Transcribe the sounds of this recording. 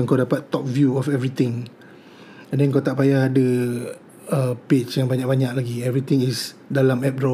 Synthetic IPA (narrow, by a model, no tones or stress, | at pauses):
ŋkawdapat̪ːɔp̚vjuɔfɛvɾit̪ɪ̃ŋ | ndɛnŋkawt̪aʔpajahdə | əpet͡ʃjaŋbaɲak̚baɲak̚laɡiɛvɾit̪ĩŋisdalamɛp̚dɔ